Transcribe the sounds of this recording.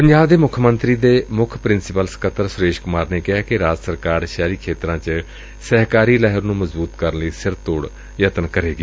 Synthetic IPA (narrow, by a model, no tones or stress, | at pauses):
pəɲd͡ʒaːbd̪eːmʊkʰmənt̪ɾiːd̪eːmʊkʰpɾɪnsɪpəlsə̥kət̪ʰːəɾsʊɾeːʃkʊmaːɾneːkɪɦaːkɪɾaːd͡ʒsəɾkaːɾʃaːɾiːkʰeːt̪ɾãːt͡ʃ | sɛːɦkaːɾiːlɛːɦəɾnũːməzbuːt̪kəɾənləiːsɪɾt̪oːɽ | jət̪ənkəɾeːɡiː